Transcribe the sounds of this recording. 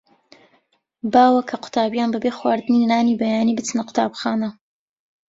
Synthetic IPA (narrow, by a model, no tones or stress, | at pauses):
baːwɐkʰɐqʰʊ̥t̪ʰaːbjaːnbɐbeːxwaːɾd̪ɨninnaːniːbɐjaːniːbɨt͡sɨnɐqʰʊ̥t̪ʰa̰ːbxaːnɐ